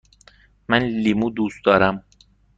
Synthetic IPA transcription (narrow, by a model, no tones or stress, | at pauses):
mænlimuːd̪uːsd̪ɒːɾæm